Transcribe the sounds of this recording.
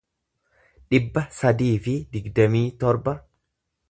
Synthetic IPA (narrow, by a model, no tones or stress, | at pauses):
ᶑɪbːɐsɐd̪iːfɪd̪ɪɡd̪ɐmiːt̪ɔɾbɐ